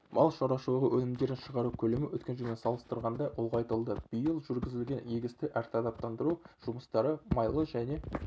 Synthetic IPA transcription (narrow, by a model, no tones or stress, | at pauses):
mʔɑlˠʃɑɾɑʃəlˠʁəwʔɵnɪmd̪e̞ɾɪnʃəʁɑɾukʲʰɵlemɪwɵt̪kʲenʒemʲensɑlˠəst̪əɾʁɑnd̪ɑʔʊlˠʁɑjt̪əlˠd̪əb̥ijəlˠʒʏɾɡʲɪzɪlɡʲe̞neɡʲɪst̪ɪʔæɾt̪ʰɑd̪ɑp̚t̪ɑnd̪əɾuʒ̥uməst̪ɑɾəmɑjlˠəʒæne̞